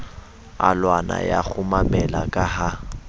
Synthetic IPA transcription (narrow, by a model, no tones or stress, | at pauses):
alwanajak͡xʰʊmamɛlakʼaɦa